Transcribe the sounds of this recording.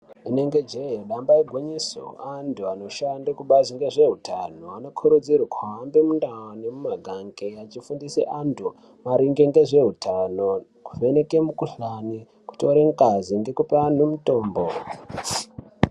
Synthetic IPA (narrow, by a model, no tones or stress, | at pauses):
ine̞ŋɡe̞d͡ʒejoɗambaiɡʱwoɲiso̰antʰuano̞ʃandakuɓaʐiŋɡe̞ʐe̞ɦutʰanoano̞kʰuɾud͡ziɾukʰuɦambemundaanemumaɡʱaŋɡeat͡ʃifundisḛʔantʰu | maɾiŋɡeŋɡe̞ʐe̞ɦutano̞ | ku̥venekemukuɬani | ku̥toɾeŋkaziŋɡe̞kupean̤umuto̞ːmbo